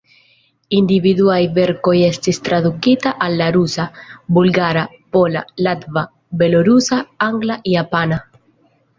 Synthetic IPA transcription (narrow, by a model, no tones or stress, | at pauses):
ind̪iβiðuajbeɾkojest̪ist̪ɾaðukit̪aʔalːaɾuzabulɡaɾa | pɔla̰lat̪va | beloɾuzaaŋɡlaʔiapana